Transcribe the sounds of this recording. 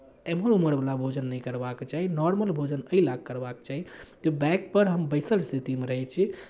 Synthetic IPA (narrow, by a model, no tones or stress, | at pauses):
eməɾuməɾbəlabʱod͡ʒənːɛkəɾbakt͡ʃaɦinɔɾməlbʱod͡ʒənəilaɡ̚kəɾbakt͡ʃaɦid͡ʒ̪ebɛkpəɾɦəmbəɪsəlst̪ʰit̪imeɾəɦɛt͡ʃʰi